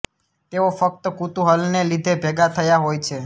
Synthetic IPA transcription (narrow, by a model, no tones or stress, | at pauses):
t̪eofək̚t̪əkut̪ũɦəlnelid̪ʱebʱɛɡat̪ʰəjaɦojt͡ʃʰe